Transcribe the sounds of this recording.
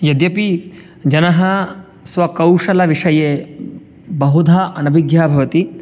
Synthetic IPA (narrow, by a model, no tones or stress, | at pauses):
jɐd̪jɐpi | d͡ʒɐnɐɦɐ | sʋɐkɐwʂɐlɐʋiʂɐjeː | bɐɦud̪ʱaʔɐnɐbʱiɡjaːbʱɐʋɐt̪i